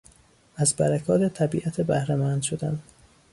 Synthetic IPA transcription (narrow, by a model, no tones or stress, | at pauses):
ʔæzbæɾækʰɒːt̪ʰet̪ʰæbiːʔæt̪ʰebæhɾæmæːnd̪̥ʃod̪æ̰n